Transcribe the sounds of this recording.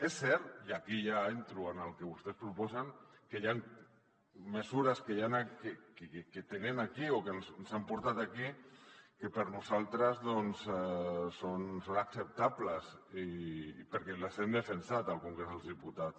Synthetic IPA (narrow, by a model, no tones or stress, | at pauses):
esːɛɾt̪jakijaent̪ɾuənəlˠkeβust̪espɾupɔzaŋkeʎaŋ | məzuɾəskejanakekket̪enenakiokenznsampuɾt̪at̪akikəpəɾnuzalˠt̪ɾəzðɔnsɛsonsonaksəp̚t̪apləzipəɾkɛlazemd̪əfənsat̪alˠkuŋɡɾezðəlˠðiput̪at̪s